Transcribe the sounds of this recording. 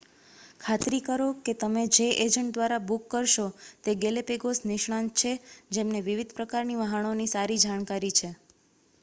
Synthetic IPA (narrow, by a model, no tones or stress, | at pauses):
kʰat̪ɾikəɾoket̪əmed͡ʒeʔed͡ʒəɳʈ̚d̪ʋaɾabukːəɾʃot̪eɡelepeɡosnɪʃɳãnt̪̚t͡ʃʰed͡ʒemneʋiʋid̪ʱpɾəkaɾniʋəɦənonisaɾid͡ʒaɽ̃kaɾit͡ʃʰe